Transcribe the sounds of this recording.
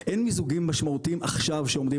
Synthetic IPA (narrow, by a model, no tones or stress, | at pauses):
ʔenmizuɡimːaʃmaut̪iimaχʃavʃeo̞md̪i